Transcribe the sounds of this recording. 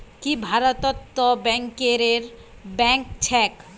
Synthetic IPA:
kibʱaɾot̪ot̪ːobɛŋkeɾeɾ | bɛŋkt͡ɕʰɛk

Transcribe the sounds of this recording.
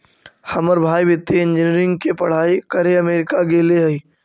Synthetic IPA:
hɐməɾbʱaːibɪt̪ːiɪ̃nd͡ʒɪniɾɪ̃ŋɡkepɐɽ̤aːikɐɾeɐmeːɾɪkaɡeːleɦɐiː

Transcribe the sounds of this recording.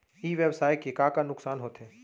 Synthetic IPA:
iːʋeːbsaːɪʈkekaːkanʊksaːnɦoːt̪ɦeː

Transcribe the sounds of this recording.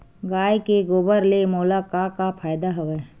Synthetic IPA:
ɡaːjkeɡoːbəɾlemoːlakakapʰaːjd̪aɦɐʋɛː

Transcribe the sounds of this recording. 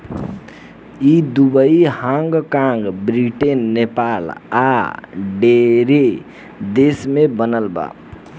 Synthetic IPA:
id̪ubəihãŋɡkãŋɡbɾiʈenːepala̰ɖeɾe | d̪esmẽbənəlba̰

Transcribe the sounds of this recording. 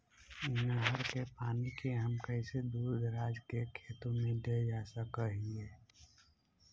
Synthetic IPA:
ɪnəɦəɾkepaːnikeɦəmkəɪsed̪uːd̪ʱɾaːd͡ʒkekʰeːt̪õmẽd̪ed͡ʒasəkəɦieː

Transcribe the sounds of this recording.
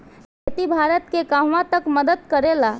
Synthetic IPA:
ket̪ibʱaɾət̪̚kekaɦʋãt̪əkməd̪əd̪̚kəɾela

